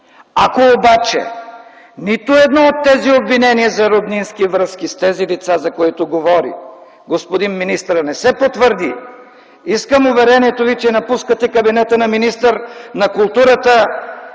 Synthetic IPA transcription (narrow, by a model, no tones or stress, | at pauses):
akoːbat͡ʃɛ̰ | nit̪ʊɛd̪nɔot̪ːɛziobvinɛniɐzɐɾod̪ninskivɾəskist̪ɛzilit̪sazɐkoit̪oɡovɔɾḭ | ɡospod̪inminist̪ɾnɛsɛpot̪vəɾd̪ḭ | iskəmʊvɛɾɛniɛt̪ovit͡ʃɛnɐpuskət̪ɛkɐbinɛt̪ənɐminist̪əɾnɐkʊlˠt̪uɾət̪ə